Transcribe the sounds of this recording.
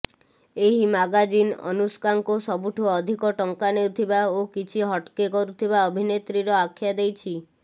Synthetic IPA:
eɦimaɡad͡ʒinɔ̰nuskaŋkusɔbuʈʰuɔd̪ʱikɔʈɔŋkanewt̪ʰibaokit͡ʃʰiɦɔʈkekɔɾut̪ʰibaɔbʱinet̪ɾiɾɔakʰːjad̪ejt͡ʃʰi

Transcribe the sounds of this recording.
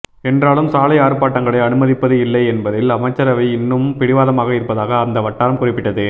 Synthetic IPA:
ɛndraːlɯmsaːlɐɪaːɾɯpaːʈːɐŋɡɐɭɐɪɐnɯmɐðɪpːɐðɯɪlːɐɪɛnbɐðɪlɐmɐɪt͡ʃːɐɾɐʋɐɪɪnːɯmpɪɽɪʋaːðɐmaːɣɐɪɾɯpːɐðaːɣɐːnd̪ɐʋɐʈːaːɾɐmkʊrɪpːɪʈːɐðɯ

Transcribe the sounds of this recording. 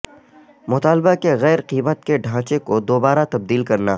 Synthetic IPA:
mʊt̪aːlbakeɣɛːɾqiːmət̪keɖʱãːt͡ʃekod̪oːbaːɾat̪ɐb̚d̪iːlkɐɾna

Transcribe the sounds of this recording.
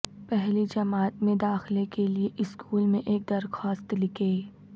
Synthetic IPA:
pɛɦlid͡ʒɐmaːt̪mẽd̪aːxlekelieʔɪskʰuːlmẽʔeːk̚d̪ɐɾxɔːst̪lɪkeː

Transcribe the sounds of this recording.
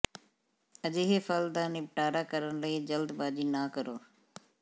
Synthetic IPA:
əd͡ʒeːɦepʰəld̪aːnɪp̚ʈaːɾaːkəɾənləiːd͡ʒəld̪baːd͡ʒiːnaːkəɾoː

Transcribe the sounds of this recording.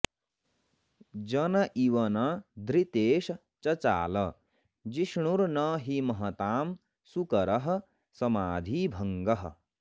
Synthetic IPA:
d͡ʒɐnɐʔiwɐnɐd̪ʱɾit̪eːʃ | t͡ʃɐt͡ʃa̰ːlɐ | d͡ʒiʃɳuɾnʌɦimɐɦɐt̪aːm | sukɐɾɐɦ̆ | sɐmaːd̪ʱibʱɐŋɡɐɦ

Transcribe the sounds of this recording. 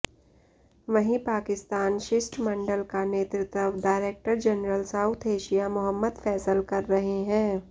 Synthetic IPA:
ʋɐɦĩpaːkɪst̪aːnʃɪsʈmɐ̃ɳɖəlkaneːt̪ɾɪt̪əʋɖaːɪɾeːk̚ʈəɾd͡ʒɐnɾəlsaʊt̪ʰeːʃijamʊɦəmːəd̪fɛːsəlkɐɾːɐɦeɦɛ̃ː

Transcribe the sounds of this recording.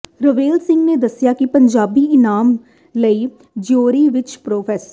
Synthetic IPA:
ɾəʋeːlsɪ̃ŋɡneːd̪əsːɪjaːkɪpəɲd͡ʒaːbiːɪnaːm | ləiː | d͡ʒoːɾiːʋɪt͡ʃpɾoːpʰɛːsə

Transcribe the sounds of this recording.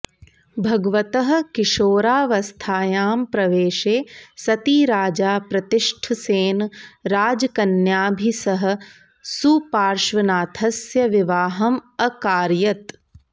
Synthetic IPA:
bʱɐɡʋɐt̪ɐɦɐ̆kiʃoːɾaːʋɐst̪ʰaːjaːmpɾɐʋeːʃeːsɐt̪iːɾaːd͡ʒaːpɾɐt̪ɪʂʈʰɐseːnɾaːd͡ʒɐkɐnjaːbʱisɐɦɐ̆ | supaːɾʃʋɐnaːt̪ʰɐsjɐʋiʋaːɦɐmɐkaːɾjɐt̪

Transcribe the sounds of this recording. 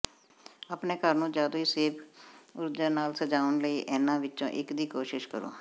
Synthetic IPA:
aːpneːkəɾnũːd͡ʒjaːd̪oːiːseːpʰʊɾdaːnaːlsəd͡ʒaːʊnləiːʔɛːnãːʋɪtːõ̰ːʔɪkd̪iːkoːʃɪʃkəɾo̰ː

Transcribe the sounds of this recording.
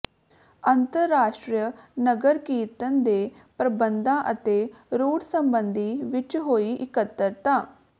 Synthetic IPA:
ənt̪əɾːaːʃʈɾjənəɡəɾkiːt̪ənd̪eː | pɾəbənd̪ãːʔət̪eːɾuːɽsəmbənd̪iːʋɪt͡ʃɦoːiːʔɪkət̪ːəɾt̪ãː

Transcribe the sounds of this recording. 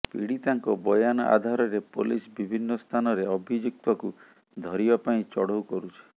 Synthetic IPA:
pḭɽit̪aŋkɔbɔjanɔʔa̰d̪ʱaɾɔɾepolisbibʱinːɔst̪ʰanɔɾeɔbʱid͡ʒuk̚t̪ɔku | d̪ʱɔɾibapaĩt͡ʃɔɽowkɔɾut͡ʃʰi̥

